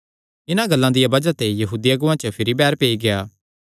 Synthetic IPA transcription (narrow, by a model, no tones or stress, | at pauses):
ɪnãɡɐlːãd̪ɪjabɐd͡ʒat̪ejɐɦuːd̪ijaɡʊʋãt͡ʃəpʰɪɾibɛːɾpeːiɡejaː